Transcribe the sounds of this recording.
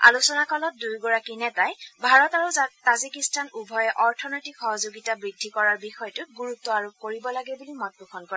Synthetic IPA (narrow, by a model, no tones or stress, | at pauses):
a̰lusɔnakɔlɔt̚dujɡɔɹakinɛtajbʱaɹɔtaɹuzatazikistanubʱɔjɛʔɔɹtʰɔnɔjtikxɔɦɔzoɡitabɹidʱːikɔɹaɹbixɔjɔtʊɡuɹutːɔaɹukoɹibɔlaɡɛbulimɔt̚bukʰɔnkɔɹɛ